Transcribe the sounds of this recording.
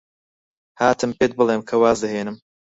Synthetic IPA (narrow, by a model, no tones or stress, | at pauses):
haːt̪ʰɨmpeːt̪̚bɨlˠeːmkʰɐwaːzd̪ɐheːnɨm